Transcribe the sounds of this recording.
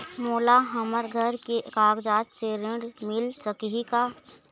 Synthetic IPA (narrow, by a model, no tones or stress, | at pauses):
moːlaɦəməɾɡʱəɾkekaːɡd͡ʒaːt͡ʃseɾɪɳɽmɪlsəkɦikaː